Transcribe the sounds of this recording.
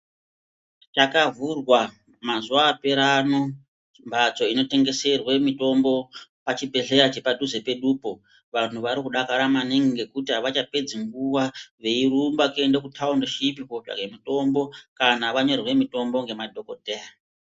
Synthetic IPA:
t͡ʃakavurwa | mazuwaːpe̞ɾano̞ | t͡ʃimbʱat͡so̞ino̞te̞ŋɡe̞se̞rwe̞mito̞mbo̞pat͡ʃibʱe̞ɮe̞ɾat͡ʃe̞padʱuze̞pe̞ɗupo̞ | ʋan̤uʋaɾikuɗakaɾamaniŋɡiŋɡe̞kutiɦaʋat͡ʃape̞d͡ziŋɡuwaʋe̞irumbakendekutʰaundoʃip̬iko̞t͡ʃa̰kemito̞mbo̞kanaʋaɲo̞rwe̞mito̞mbo̞ŋɡe̞madʱo̞ko̞te̞ːa

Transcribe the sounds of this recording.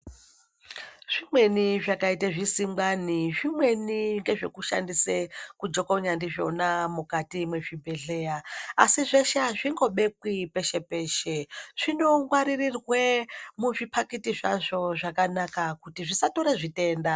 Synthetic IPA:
ʐ̥imwe̞niʐakaitaʐisimbaniʐimwe̞niŋɡe̞ʐe̞kuʃa̰ndisekud͡ʒo̞koɲandiʐoonamukatimweʐibʱe̞ɮe̞ːjaːsiʐeʃaʐiŋɡo̞ɓe̞kwipe̞ʃe̞pe̞ːʃe̞ʐ̥ino̞ŋɡwaɾirirwemuʐipʰakitiʐa̰ʐo̞ʐakanakakutiʐisato̞ɾeʐite̞ːnda

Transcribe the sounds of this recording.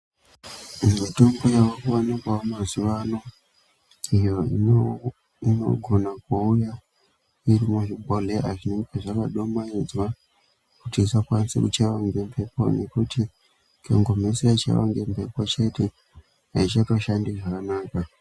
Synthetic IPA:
mitombojawokuwanikwamaziʋano̞ | ijo̞i | ino̞̰ɡʱo̞nakwauja | iɾimuʐibʱoleʔaʐineŋɡeʐakaɗo̞majizwa | kutisakwansḛkut͡ʃaʋaŋɡempʰe̞po̞̰ne̞kuti | kʰḛŋɡomeseat͡ʃa̰ʋa̰ŋɡempe̞pot͡ʃe̞te | ait͡ʃato̞ʃandiʐakanaːka

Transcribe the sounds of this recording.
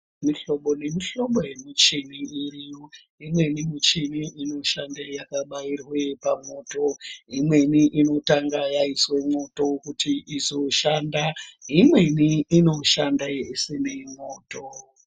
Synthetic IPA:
miɬo̞ɓo̞ne̞miɬo̞ɓoje̞mut͡ʃiniirijo | imwe̞nimut͡ʃiniʔino̞ʃandejakaɓairwepamo̞ːto̞imwe̞niʔino̞taŋɡajaiswe̞mo̞to̞kutiʔizo̞ʃandaɦimwe̞niːno̞ʃandaisinemoːto

